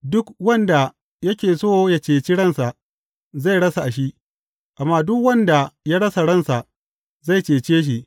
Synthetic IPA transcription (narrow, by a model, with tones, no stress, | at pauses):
dʊ˦kwɐ˦nda˨ | jɐ˦kʲeː˨soː˦ja˦˨t͡ʃeː˨t͡ʃi˦ɽɐ˦nsa˨ʔ | za˦˨jɽɐ˦sa˨ʔa˨ʃi˦ | ʔa˨mːaː˦dʊ˦kwɐ˦nda˨ja˦ɽɐ˦sa˨ɽɐ˦˨nsa˨ʔ | za˦˨jt͡ʃeː˨t͡ʃeː˦ʃ̬i˨